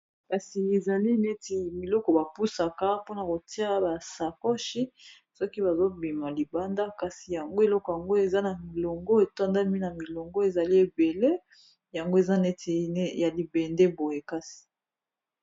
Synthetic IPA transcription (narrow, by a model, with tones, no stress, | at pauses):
ka˨si˨e˨za˨li˦ne˦ti˨mi˨lɔ˦kɔ˨ba˨pu˦sa˨ka˦po˦na˨ko˨ti˦a˦ba˨sa˨kɔ˦ʃi˦ | sɔ˦ki˦ba˨zo˦bi˨ma˨li˨ba˦nda˦ka˨si˨ja˨ŋɡo˦e˨lɔ˦kɔ˨ja˨ŋɡo˦e˨za˦na˨mi˨lɔ˨ŋɡɔ˦e˨ta˦nda˦mi˦na˨mi˨lɔ˨ŋɡɔ˦e˨za˨li˦e˨be˨le˦ | ja˨ŋɡo˦e˨za˦nɛ˦ti˨˦ja˨li˨be˨nde˦bo˨je˨ka˦si̥˨